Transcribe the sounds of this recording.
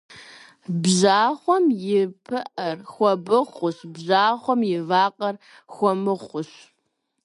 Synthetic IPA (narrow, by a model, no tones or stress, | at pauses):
bʑaːχʷɔmjɪpʰɨʔɐrxʷɔbɨχʷʊɕbʑaːχʷɔmjɪvaːqʼɐr | xʷɔmɨχʷʊɕ